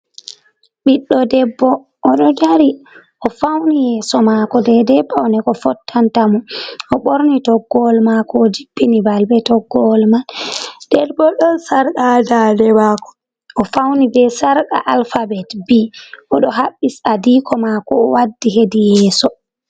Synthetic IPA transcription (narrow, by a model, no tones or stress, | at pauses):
ɓiɗːɔdɛbːɔ | ʔɔɗɔd͡ʒaɾi | ʔɔfawnijɛːsɔmakɔdɛdɛbːawnɛkɔfɔtːantamuɔɓoɾnitɔɡːɔlmakɔːd͡ʒibːinibalbɛtɔɡːɔlmand̥ɛɾbɔɗɔnsaɾɗadadɛbakɔ̥ | ʔɔfawnibɛsaɾɗa̰ʔalfabɛtbiʔɔɗɔɦaɓːisadikɔmakɔːwadːiɦedijɛːsɔ